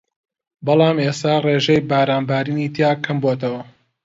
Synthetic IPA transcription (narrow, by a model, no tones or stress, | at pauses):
bɐlˠɑːmeːst̪aːreːʒejbaːɾaːnbaːɾiːniːt̪jaːkʰɐmboːt̪ɐwɐ